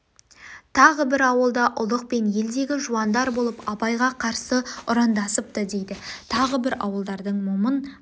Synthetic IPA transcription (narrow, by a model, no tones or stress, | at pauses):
t̪ʰɑʁəbɪɾɑwəlˠd̪ɑʔʊlˠəq̚pe̞nje̞ld̪e̞ɡʲɪʒuɑnd̪ɑɾbo̞lˠəpɑpɑjʁɑqʰɑɾsəʊɾɑnd̪ɑsəp̚t̪əd̪e̞jd̪ɪt̪ʰɑʁəbɪɾɑ̰wəlˠd̪ɑɾd̪əɴmʊmən